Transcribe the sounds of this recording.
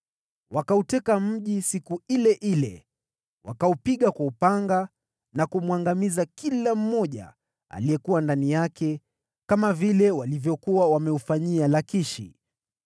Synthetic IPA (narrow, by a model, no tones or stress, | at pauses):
wakautɛkam̩ʄisikuilɛʔilɛ̰ | wakaupiɠakwaupaŋɡa | nakumwaŋɡamizakilam̩mɔʄa̰ | a̰lijɛkuwandanijakɛ | kamavilɛwalivjɔkuwawamɛufaɲialakiʃḭ